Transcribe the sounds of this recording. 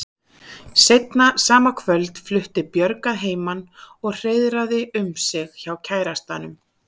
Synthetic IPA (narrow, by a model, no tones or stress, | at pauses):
sejt̪nasaːmakʰvœlt̪flʏht̪ɪpjœɾkaðɦeːjmanɔɣr̥eːjðɾaðɪʔʏmsɪɣçawcʰaːjɾast̪anʏm